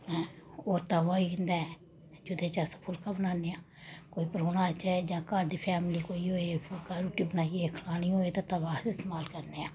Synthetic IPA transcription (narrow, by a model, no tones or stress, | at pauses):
ɛ̃oːɾt̪aːʋaːiːkɪnd̪aɛ | d͡ʒʊd̪eːt͡ʃaspʰʊlkaːbənaːneːãː | koːiːpəɾoːñaːt͡ʃɛːd͡ʒãːkəɾd̪iːpʰɛːmliːkoːiːɦoːepʰʊlkaːɾuːʈiːbənaːieːkʰəlaːɽ̃iːɦoːeːt̪ãːt̪abaːɪst̪eːmaːlkəɾneːãː